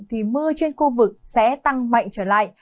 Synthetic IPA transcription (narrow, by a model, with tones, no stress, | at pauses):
t̪ʰi˨˩mɨ˧ət͡ɕe˧nxu˧vɨ˨˩k̚sɛ̰˧˥t̪a˧ŋma̰˧˨jŋ̟t͡ɕəː˧˩la̰ː˧˨j